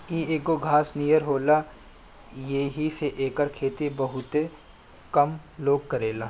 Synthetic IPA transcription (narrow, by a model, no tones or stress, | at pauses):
ieːkoɡʱaːsniːjəɾɦoːla | jeɦiseʔeːkəɾkʰeːt̪ibɐɦʊt̪e | kɐmloːɡ̚kɐɾeːlaː